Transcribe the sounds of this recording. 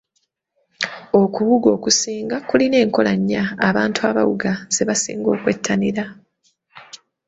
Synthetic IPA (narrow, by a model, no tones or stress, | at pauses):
o̞kuβuɡo̞ːkusiːŋɡakuline̞ːŋko̞laɲːaːβaːntuaːβa̰wuɡaz̥e̞βasḭːŋɡo̞ːkwe̞tʰːaniɾa